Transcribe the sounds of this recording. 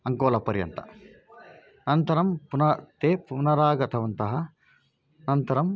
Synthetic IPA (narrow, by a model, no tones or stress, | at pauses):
ɐŋkoːlɐpɐɾjɐ̰nt̪ɐ̥̰ | nɐnt̪ɐɾɐmpunɐt̪eːpunɐɾaːɡɐt̪ʰɐʋɐnt̪ɐɦɐ | nɐnt̪ɐɾɐm